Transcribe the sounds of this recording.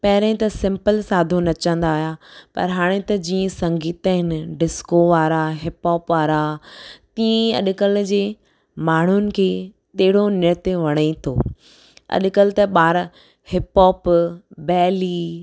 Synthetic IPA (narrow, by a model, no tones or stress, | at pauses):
pɐɦɪɾẽɪ̃t̪ɐsɪ̃mpəlsaːd̪ʱonɐt͡ɕə̃nd̪aːjapɐ̰ɾɦaːɽ̃et̪ɐd͡ʑiːə̃sɐ̃ŋɡiːt̪əɦɪnɪ̆ɖɪskoʋaːɾaɦɪpɔːpʋaːɾat̪iːẽɐ̰ɗkəld͡ʑeː | maːɳ̤ʊnɪ̆kʰeː | t̪eɦɪɽ̤onɪɾt̪eʋɐɽ̃it̪ʰo̰ː | ɐ̰ɗkəlt̪ɐɓaːɾ | hɪpɔːpbɛːli